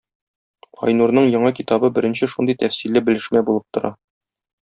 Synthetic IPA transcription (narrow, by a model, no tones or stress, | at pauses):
ɒ̰jnuɾnɤɴjɒ̆ɴɑkit̪ɑbɤbɘ̆ɾɘ̆nɕɘʃund̪ɤjt̪æfsilːɘbɘ̆lɘ̆ʃmæbulˠɤp̚t̪ŏɾɑ